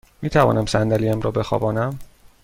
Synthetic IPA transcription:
miːt̪ʰævɒ̰ːnæmsænd̪æliːæmɾɒːbe̞xɒ̰ːbɒːnæm

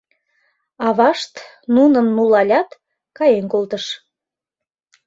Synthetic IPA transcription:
ɑβɑʃt̪ | nunənːulɑlʲɑt̪ | kɑjenkolt̪əʃ

